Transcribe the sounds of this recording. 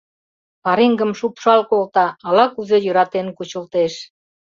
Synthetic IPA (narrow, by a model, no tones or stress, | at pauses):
pɑɾeŋɡə̆mʃupʃɑlkolt̪ɑːlɑkuzejø̆ɾɑt̪enkut͡ɕə̆lt̪eʃ